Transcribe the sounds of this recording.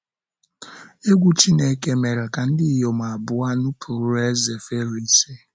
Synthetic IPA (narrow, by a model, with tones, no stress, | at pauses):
e˦ɡʷu˨t͡ʃi˦ne˦ke˦me˨ɾa˨ka˨n̩˦dɪ˦˨jo˨m˨a˨bʊ˨˦a˦nʊ˦pʰu˨ɾu˦e˦ze˨fe˦ɾi˦se˦